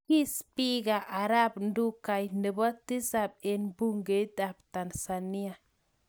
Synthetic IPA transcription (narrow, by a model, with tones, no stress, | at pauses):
ki˦spi˦ɡa˨ʔa˨ɾa˦b̚ndu˦ka˨jnə˨bɔ˦ti˦sa˨b̚e˨nbu˦ŋɡe˨˦da˨p̚ta˨nsa˨ni˦a˨